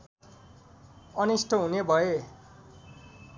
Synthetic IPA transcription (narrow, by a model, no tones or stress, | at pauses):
ʌnisʈʰʌɦunebʱʌe